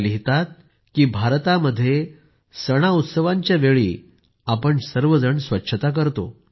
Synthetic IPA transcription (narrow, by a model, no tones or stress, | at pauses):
liɦt̪at̪̚ | kiːbʱaɾt̪aməd̪ʱːje | səɽ̃aut̪səʋaɲt͡ɕjaʋeɭḭː | apəɳsəɾʋəd͡zəɳsʋətːɕʰət̪ak̬əɾt̪o̰